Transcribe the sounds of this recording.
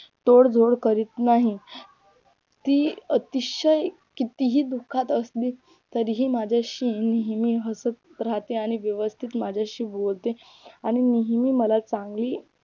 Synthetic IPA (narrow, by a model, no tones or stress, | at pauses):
t̪oɽd͡zʱoɽkəɾiːt̪naɦi | t̪iːət̪iɕəj | kit̪iɦiːd̪ukʰat̪əst̪iː | t̪əɾɦiːmad͡ʑʱjaɕiːniɦmiːɦəsət̪ɾaɦt̪eaɽ̃iʋjəʋəst̪ʰit̪mad͡ʑʱjaɕiːbolt̪e | aɽ̃iniɦmiːməlat͡sãŋɡliː